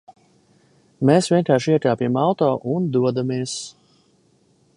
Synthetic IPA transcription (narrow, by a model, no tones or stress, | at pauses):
meːsvʲiɛnkaːɾʃiɛk̪ʲaːpʲimalˠt̪ɔːʔund̪uɔd̪amiɛs